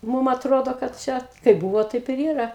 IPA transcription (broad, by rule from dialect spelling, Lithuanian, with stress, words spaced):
ˈmuːm ɐtˈroːdoː kɐt ˈt͡ʃʲɛ kɐɪp ˈbʊʋoː tɐɪp ɪr ˈiːrɐ